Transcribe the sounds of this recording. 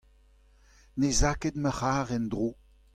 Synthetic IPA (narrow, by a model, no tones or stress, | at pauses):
nezaked̪məχaːʁɛnd̪ʁoː